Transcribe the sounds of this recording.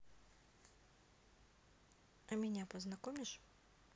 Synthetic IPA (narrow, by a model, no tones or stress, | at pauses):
ɐmʲɪnʲapɔznɐkɔmʲiʃ